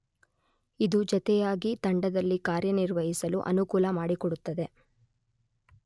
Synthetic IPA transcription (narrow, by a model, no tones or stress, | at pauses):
id̪ud͡ʒɔt̪ɛjaːɡit̪ɐɳɖɐd̪ɐlːikaːɾjɐniɾʋɐɦisɐluʔɐ̰nukuːlɐmaːɽikɔɽut̪ːɐd̪e̞